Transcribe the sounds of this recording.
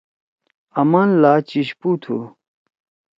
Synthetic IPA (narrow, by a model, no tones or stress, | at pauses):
ɐmaːnlaːt͡ɕiɕpuːt̪ʰṵ